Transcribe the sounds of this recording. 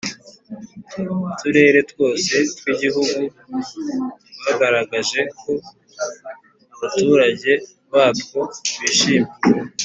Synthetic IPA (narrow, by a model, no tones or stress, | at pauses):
tʰuɾe̞ɾe̞two̞ːse̞twiɟiɦuɡu | haɡaɾaɡaʒe̞kʰo̞ | aβatuːɾaɟe̞ | βaːtko̞βiːʃiːme